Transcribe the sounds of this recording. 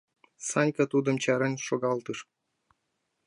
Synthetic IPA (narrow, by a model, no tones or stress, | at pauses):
sɑnʲkɑt̪ud̪ɤ̆mt͡ɕɑɾɤ̆nʲʂoɡɑlt̪ɯʂ